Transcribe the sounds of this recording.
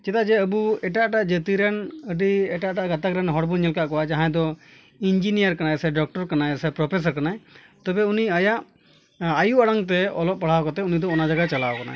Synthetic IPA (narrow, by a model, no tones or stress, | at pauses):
t͡ʃɛt̪ad͡ʒɛəbuɛʈaʔʈaʔd͡ʒət̪iɾɛnəɖiɛʈaʔʈaʔɡat̪akɾɛnɦɔɽbunɲɛlkaʔkɔwad͡ʒaɦãjd̪ɔ | ind͡ʒinijaɾkanasɛɖɔk̚ʈɔɾkanajsɛpɾɔpʰes̬aɾkanaj | t̪ɔbɛuniajaʔ | ajuʔaɽaŋt̪̬ɛɔlɔp̚paɽ̤awkɔt̪ɛunid̪ɔɔnad͡ʒaɡat͡ʃalaɔkana̰